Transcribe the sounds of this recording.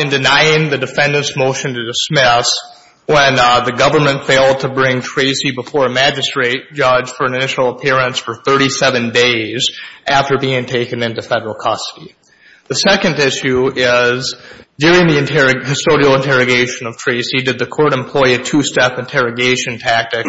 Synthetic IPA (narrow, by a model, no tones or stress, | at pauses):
ɨ̃ndɨnaɪɪ̃ŋðɨdɨfɛ̃ndɨ̃nsmoʊʃɨ̃n̩tɨdɨsmɪs | wə̃nðɨɡʌvə˞mɨ̃ntfeɪlˠd̚tʰɨbɹɪ̃ŋtʰɹ̥eɪsibəfɔɹɨmæd͡ʒɨstɹ̥eɪt̚d̥ʒ̥ʌd͡ʒʒ̥fə˞ɨ̃nɨnɪʃl̩ˠəpʰɪɹɨ̃nsfə˞θɜ˞ɾisɛvɨ̃ndeɪzʔæftə˞biɪ̃ŋtʰeɪkɨ̃nɪ̃ntʉfɛɾə˞l̩ˠkʰɑstə̥ɾi | ðɨsɛkɨ̃ndɪʃʉɪzdʊɹɪ̃ŋðiɨ̃ntʰɛɹɨɨstoʊɾil̩ˠə̃ntʰɛɹɨɡeɪʃɨ̃nʌv̥tʰɹ̥eɪsidɨd̪̚ðɨkʰɔɹɾɨ̃mpʰl̥ɔɪɨtʰʉstɛpɨ̃ntʰɛɹɨɡeɪʃɨ̃ntʰæk̚tɨk